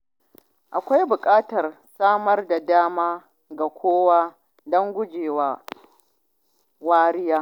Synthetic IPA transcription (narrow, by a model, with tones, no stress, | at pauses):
ʔa˨kʷa˦jbʊ˨kʼaː˦tɐ˨r | saː˦mɐ˦rda˨daː˦maː˦ | ɡa˨kʷʰoː˦waː˦ | dɔ˦ŋɡʷʊ˦d͡ʒeː˨waː˦ | waː˦ɾɪ˦jaː˦